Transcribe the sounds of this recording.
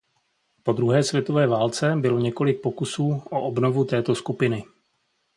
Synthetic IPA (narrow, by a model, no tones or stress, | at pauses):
po̞d̪ɾuɦɛːsvjɛt̪o̞vɛːvaːlt͡sɛbɪlo̞ɲɛko̞lɪk̚pokusuːʔoʔobno̞vut̪ɛːt̪o̞skupɪnɪ